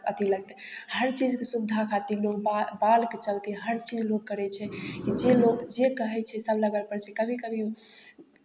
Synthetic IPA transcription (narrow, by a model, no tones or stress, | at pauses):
ət̪ʰiləɡ̚t̪ɛhəɾt͡ʃid͡ʒkesud̪ʱakʰat̪ilokbabalket͡ʃəlt̪iɦəɾt͡ʃid͡ʒlok̚ːəɾɛt͡ʃʰɛkid͡ʒelokd͡ʒekəɦɛt͡ʃʰɛsəbləɡəlpəɾt͡ʃʰɛkəbʱikəbʱi